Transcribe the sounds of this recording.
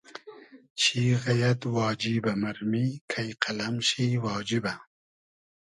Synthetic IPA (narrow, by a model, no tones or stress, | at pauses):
t͡ɕʰiːɣɐjɐt̪wɑːd͡ʒibɐmɐɾmikʰɐjqʰɐlɐmɕiwɑːd͡ʒibɐ